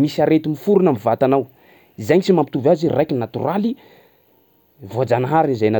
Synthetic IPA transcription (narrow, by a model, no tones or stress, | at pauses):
misaɾet̪imifuɾunamivat̪anaw | izaɲit͡ʃimampit̪uvazirajkinnat̪ṵɾali | voad͡zanaɦaɾinizajna